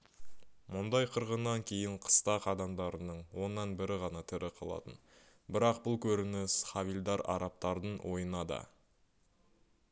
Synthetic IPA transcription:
mʊnd̪ɑjqʰəɾʁənːɑŋkʲʰe̞jɪɴqʰə̥st̪ɑqɑd̪ɑmd̪ɑɾənəɴwo̞nːɑnbɪɾɪʁɑnɑt̪ʰɪɾʔɪqʰɑ̰lˠɑ̰t̪ən | bɪɾɑqbʊlˠkʲʰɵɾɪnɪsχɑvild̪ɑɾɑ̰ɾɑp̚t̪ɑɾd̪əɴwʔo̞̰jənɑd̪ɑ̰

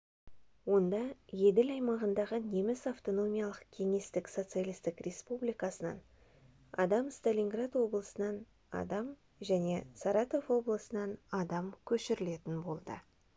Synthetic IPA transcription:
wo̞nd̪ɑje̞d̪ɪlɑjmɑʁənd̪ɑʁəne̞mɪsaft̪o̞no̞mʲijɑlˠəqkʲʰe̞ŋe̞st̪ɪkso̞t̪sɨijalʲijst̪ɪkrʲʔe̞spublijkɑsənɑ̰n | ɑ̰d̪ɑmst̪alʲiŋɡrad̪wo̞blˠəsənɑn | ɑ̰d̪ɑm | ʒæne̞sɑɾɑt̪o̞vwo̞blˠəsənɑnɑd̪ɑmkʲʰɵʃɪɾɪle̞t̪ɪnbo̞lˠd̪ə̰

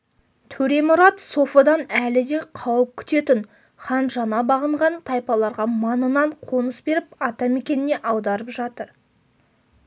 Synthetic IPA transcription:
t̪ʰɵɾe̞mʊɾɑt̪so̞fɑd̪ɑnælɪd̪e̞qʰɑwəp̚kʲʰʏ̥t̪e̞t̪ɪn | χɑnʒɑnɑbɑʁəɴʁɑnt̪ʰɑjpɑlˠɑɾʁɑmɑnənɑɴqʰo̞nəsbe̞ɾɪpɑt̪ɑme̞kʲe̞nɪne̞ʔɑwd̪ɑɾəpʒɑt̪əɾ

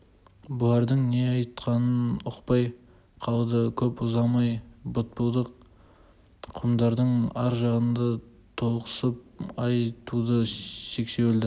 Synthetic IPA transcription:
bʊlˠɑɾd̪əɴne̞ɑjt̪qɑnənʊqpɑj | qʰɑlˠd̪əkʲʰɵpʊzɑmɑjbʊt̪̚pəlˠd̪əq | qʰʊmd̪ɑɾd̪əɴɑɾʒɑʁənd̪ɑ | t̪ʰo̞lˠqə̥səp̚ɑjt̪ud̪əʃe̞ksewɪld̪ɪ

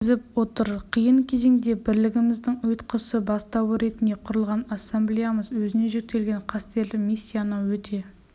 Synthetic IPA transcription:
zɪp̚wot̪əɾqʰijəɴkʲʰe̞ze̞ŋd̪e̞bɪɾlɪɡʲɪmɪzd̪ɪŋʊjt̪qʰəsəbɑst̪ɑwəɾe̞t̪ɪnd̪e̞qʰʊɾəlˠʁɑnasːemblijaməzwɵzɪne̞ʒek̚t̪ːe̞lɡʲe̞ɴqʰɑst̪e̞lɪkmisʲːijanəwɵt̪ʰe̞

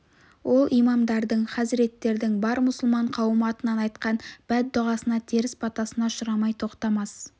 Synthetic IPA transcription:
wʔo̞lˠʔijmɑmd̪ɑɾd̪əɴχɑsɪɾe̞t̪ːe̞ɾd̪ɪŋbɑɾmʊsʊlˠmɑɴqʰɑwəmɑt̪ənɑnɑjt̪qɑnb̥æt̪̚d̪ʊʁɑsənɑt̪ʰeɾɪspʰɑt̪ɑsənɑʃʊɾɑmɑjt̪ʰo̞qt̪ɑmɑs

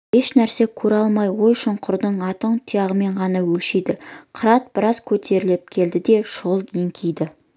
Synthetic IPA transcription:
he̞ʃnæɾse̞kʲʰɵɾɑlˠmɑjwo̞jʃʊɴqʰʊɾd̪əɴɑt̪əɴt̪ʰʊjɑʁəme̞ɴʁɑnɑwɵlʃed̪ɪqʰəɾɑt̪̚bɪɾɑz̥kʲʰɵt̪ʰe̞ɾɪlep̚kʲʰe̞ld̪ɪd̪e̞ʃʊʁəlˠeŋkʲʰejd̪ɪ

